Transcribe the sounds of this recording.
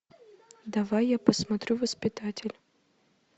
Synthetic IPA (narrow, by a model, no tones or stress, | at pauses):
d̪ɐvajːapəsmɐt̪ɾʲuvəspʲɪt̪atʲɪlʲ